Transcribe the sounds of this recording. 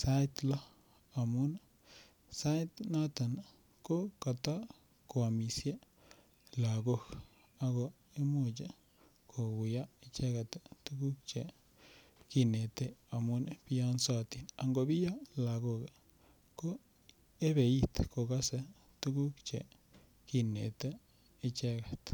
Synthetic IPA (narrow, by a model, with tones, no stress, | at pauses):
sa˦jt̪lo˦ | a˨mu˦na˨ | sa˦jt̪na˦t̪a˨na˨ | ko˦ka˨t̪a˦ | ko˨a˨mi˨sje˦ | la˨ɡo˦k | a˦ɡo˧ | e˦mu˦˧d͡ʒe˦ | kʰo˨ɡu˨ja˦e˧t͡ʃe˦ɡa˨t̪e˨t̪u˦ɡu˦k̚t͡ʃe˨ | ki˧ne˨t̪e˦a˨mu˦ne˨bi˦ja˦nsa˦˧t̪i˨na˧ŋɡo˧bi˦ja˦la˨ɡo˧ɡe˨ | ko˦ | e˦be˨i˦t̪ko˨ɡa˦se˨ | t̪u˦ɡu˦kt͡ʃḛ˨ | ki˧nḛ˨t̪eː˦ | t͡ʃe˦ɡe˨t̪